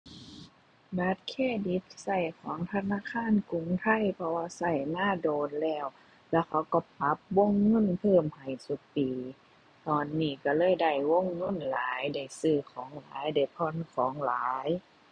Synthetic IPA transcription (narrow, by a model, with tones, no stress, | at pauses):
baː˧˦t̪̚kʰeː˧˥˨di˧˦t̪̚sa˧˩jkʰɔː˨˦ŋt̪ʰa˧naː˧˥˨kʰaː˧˥˨nku˧˨ŋt̪ʰa˧˩˨jpʰɔ˧waː˧sa˧˩jnaː˧˥˩doː˨nlɛː˧˩w | lɛ˧˥˩wkʰa˧˥˩wkɔ˧˩pa˧˦p̚wo˧˥˨ŋːɤ˧˥˨npʰɤː˧˩˨mha˨˩jsu˧˦k̚piː˨˩ | t̪ɔː˧nːiː˧˩ka˧˩lɤː˧˥˨jda˧˩jwo˧˥˨ŋːɤ˧˥˨nlaː˨˦jda˧˩jsɯː˧˩kʰɔː˨˦ŋla̰ː˨˦jda˧˩jpʰɔ˧˥˨nkʰɔː˨˦ŋlaː˨˦j